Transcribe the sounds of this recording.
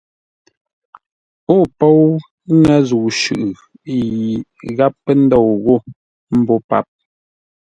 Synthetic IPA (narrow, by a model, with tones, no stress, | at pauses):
o˦˨pɔ˦˨w | ŋɛ˦zu˨ʃʉ̰˨ʔɯ˨ | ji˨ɣa˦pːə˦n̩˦dɔ˦˨wɣo˦˨ | m̩˦bo˦pa̰˦˨p̚